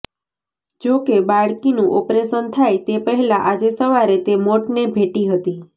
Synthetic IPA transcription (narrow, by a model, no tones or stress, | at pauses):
d͡ʒokebaɭkinũʔɔpɾeʃənt̪ʰajt̪epəɦɛlaʔad͡ʒesəʋaɾet̪emoʈnebʱeʈiɦət̪i